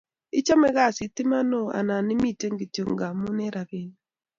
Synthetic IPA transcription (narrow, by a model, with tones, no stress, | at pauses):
ɪ˦t͡ʃa˦mɛ˦ɣa˦˨si˨t̪ɪ˦ma˦no˦˨a̰˨na˨nɪ˦mi˦˨te˦ŋɡe˨to˨ŋɡa˨mu˦ne˦ɾa˨be˦n